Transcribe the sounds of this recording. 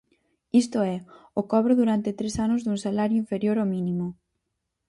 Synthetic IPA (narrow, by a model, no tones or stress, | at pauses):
ist̪oɛokɔβ̞ɾʊðuɾant̪et̪ɾesanʊzðuŋsalaɾjʊiɱfeɾjoɾomĩnĩmʊ